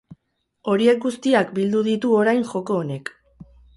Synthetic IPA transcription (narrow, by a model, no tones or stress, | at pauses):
o̞ɾie̞k̚ɡust̪iakbild̪uðit̪uo̞ɾajnʝo̞ko̞ːne̞k